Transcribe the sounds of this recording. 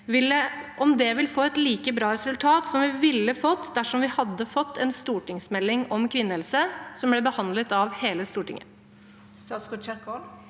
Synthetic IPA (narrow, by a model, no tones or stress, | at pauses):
ʋɪləʔɔmd̪ɛʋɪlfoːɛt̪liːkəbɾɑːɾɛsʉlt̪ʰɑːt̪sɔmʋɪʋɪlːəfɔt̪ːd̪æʂɔmʋɪhɑd̪ːəfɔt̪ʰːɛnst̪uːʈɪŋsmɛlːɪŋɔmkʰʋɪnːəɛlsəsɔmblɛbəhɑnd̪lət̪ɑʋheːləst̪uːʈɪ̰ŋə̰ | ɑskɔt͡ʃɛkɔ